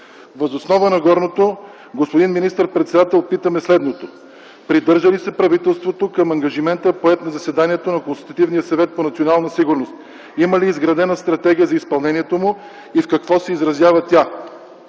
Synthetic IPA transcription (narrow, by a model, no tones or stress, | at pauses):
vɐzosnɔvənɐɡɔɾnot̪o | ɡospod̪inminist̪əɾpɾɛt̪sɛd̪at̪ɛlˠpit̪əmɛslɛd̪not̪o | pɾid̪ɤɾʒəlisɛpɾɐvit̪ɛlˠst̪vot̪okɐmɐŋɡɐʒimɛnt̪əpoɛt̪nɐzɐsɛd̪aniɛt̪onɐkonst̪it̪ɐt̪ivnijəsɐvɛt̪̚ponɐt̪sionalˠnəsiɡʊɾnost̪ | iməliːzɡɾɐd̪ɛnəst̪ɾɐt̪ɛɡʲijəzɐispɐlˠnɛniɛt̪omʊ | ifkɐkvɔsɛizɾɐzʲjavɐt̪ʲa